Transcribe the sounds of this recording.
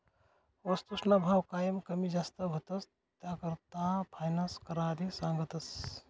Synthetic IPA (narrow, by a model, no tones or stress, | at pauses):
ost̪usnabʱawkaːjəmkəmid͡ʒaːst̪əɦot̪ɐs | t̪akəɾt̪ãpʰaːjnaskɐɾaːɾisãːŋɡət̪ɐs